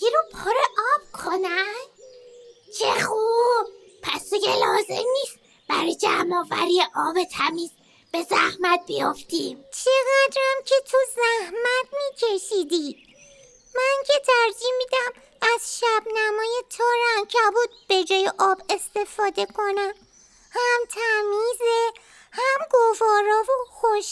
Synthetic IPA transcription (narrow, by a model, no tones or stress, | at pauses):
iɾopʰoɾeʔɒːb̥̚kʰonæn | t͡ʃʰeχub̚ | pʰæsd̪iɡelɒːzḛmniːst̪ | b̥æɾɔːjed͡ʒæmɒːvæ̰ɾijeʔɒːbet̪ʰæmiːz | b̥e̞zæhmæt̪̚bijoft̪imt͡ʃʰe̞ɣæd̪ɾæmcʰe̞t̪ʰuzæhmæt̪ʰmiːcʰe̞ʃiːd̪iːd̪ | mæncʰe̞t̪ʰæɾd͡ʒihmːiːd̪æm | æz̥ʃæb̥næmɒːje̞t̪ʰɒːɾæmcʰæbuːd̪̚b̥e̞d͡ʒɒːjeʔɒːbe̞st̪e̞fɒːd̪e̞kʰo̞næm | hæmt̪ʰæmiːze | hæmɡovɒːɾɒːvoxoʃ